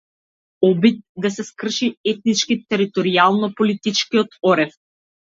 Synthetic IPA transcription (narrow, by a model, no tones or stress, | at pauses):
ɔbit̪̚d̪asɛskr̩ʃiɛt̪̚nit͡ʃkit̪ɛɾit̪ɔɾialˠnɔpɔlit̪it͡ʃkiɔt̪ɔɾɛf